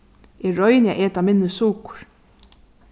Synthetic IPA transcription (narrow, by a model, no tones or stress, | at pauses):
ɛɹɔjnja̰ʔɛːt̪amɪnːɪsuːkʊ̥ɾ̥